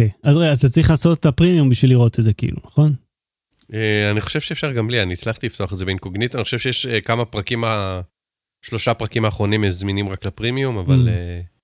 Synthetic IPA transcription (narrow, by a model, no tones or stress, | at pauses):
okejazʁeazt̪at͡sʁiχlaːso̞tapʁimiumbiʃvilːiʁo̞t̪etze̞kiḭlṵnaχo̞n | eaniχo̞̥ʃevʃeːfʃaʁɡamlianiːt͡slaχt̪ilift̪oaχetdzebenkoɡnit̪aniχo̥ʃevʃejeɛʃekamapʁakima | ʃlo̞ʃapʁakimaːχʁo̞nimezminimʁaklapʁimiumavale